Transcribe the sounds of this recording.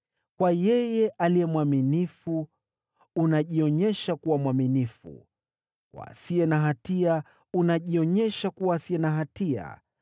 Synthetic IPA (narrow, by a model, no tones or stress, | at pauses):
kwajɛjɛʔaliɛmwaminifuː | naʄiɔɲɛʃakuwamwaminifṵ | wa̰siɛnaɦatia | unaʄiɔɲɛʃakuwasiɛnaɦatia̰